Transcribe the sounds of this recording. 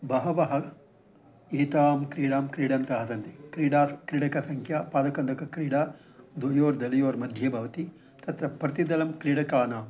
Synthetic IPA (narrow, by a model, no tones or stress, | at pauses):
bɐɦɐʋɐɦɐ | eːt̪aːmkɾiːɽaːmkɾiːɽɐnt̪ɐɦɐd̪ɐnt̪ikɾiːɽaːkɾiːɽɐkɐsɐŋkʰjaːpaːd̪ɐkɐnd̪ʱɐkɐkɾiːɽaː | d̪ʋojoːɾd̪ɐlɐjoːɾmɐd̪ʱjɐbʱɐʋɐt̪i | t̪ɐt̪ɾɐpɾɐt̪id̪ɐlɐmkɾiːɽɐkaːnaːm